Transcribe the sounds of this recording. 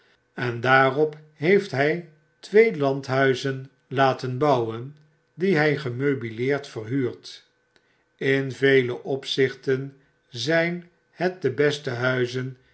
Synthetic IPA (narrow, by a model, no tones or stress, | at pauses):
ɛndaːrɔp | ɦejftɦɛj | tʋejlɑntɦœɥzən | laːtənbɑwən | diɦɛjχəmøɥbilɪːɹtfərɦyːɹt | ɪnvejləʔɔpsɪχtən | zɛjn | hət̚dəbɛstəɦœɥzən